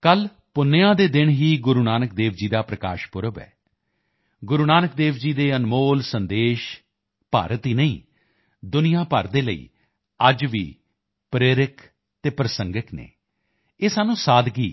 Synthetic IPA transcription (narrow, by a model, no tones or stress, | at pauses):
kəl | pʊnːeːãːd̪eːd̪ɪnɦiːɡʊɾuːnaːnək̚d̪eːʋd͡ʒiːd̪aːpɾəka̰ːʃpʊɾəbɛ̰ː | ɡʊɾuːnaːnək̚d̪eːʋd͡ʒiːd̪eːənmoːlsənd̪eːʃ | pa̰ːɾət̪ɦiːnəḭ̃ː | d̪ʊnijãːpə̰ɾd̪eːləḭː | əd͡ʒʋiː | pɾeːɾɪk | t̪eːpɾəsəŋɡɪknḛː | eːsaːnũːsaːd̪ɡiː